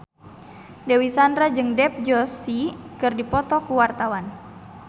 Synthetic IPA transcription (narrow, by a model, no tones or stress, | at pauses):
dɛwisandɾad͡ʒɨŋdɛp̚d͡ʒɔsikɨrdipɔt̪ɔkuwart̪awan